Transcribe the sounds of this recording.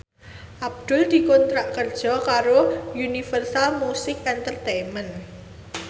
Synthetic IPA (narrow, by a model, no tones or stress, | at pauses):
ʔab̚d̪̥ʊ̤ld̪̥i̤kɔnt̪ɾaʔkərd̥ʒ̥ɔ̤kaɾojunifərsalmusɪkɛnt̪ərt̪ejmɛn